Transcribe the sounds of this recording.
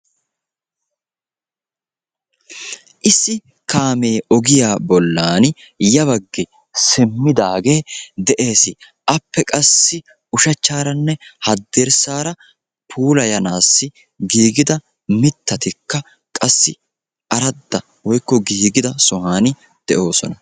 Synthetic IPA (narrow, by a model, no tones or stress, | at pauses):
ʔɪsːɪ | kaːme̞ːʔɔɡɪjaːbɔlːaːn | jɐβɐɡːɛ | sɪmːɪd̪aːɡe̞ːd̪ɛʔe̞ːsɪ | ʔɐpːɛkʼɐsːɪ | ʊʃɐt͡ʃːaːɾɐnːɛhɐd̪ːɛɾsaːɾɐ | pʰuːlɐjɐnaːsːɪ | ɡiːɡɪd̪ɐ | mɪt̪ːɐt̪ɪkːɐ | kʼɐsːɪ | ʔɐɾɐd̪ːɐ | wɔjkːɔɡiːɡɪd̪ɐsɔɦaːnɪ | d̪̥ɛʔo̞ːsɔnɐ